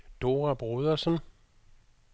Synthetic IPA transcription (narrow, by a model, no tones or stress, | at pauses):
d̥o̝ʁab̥ʁoðˠɐsən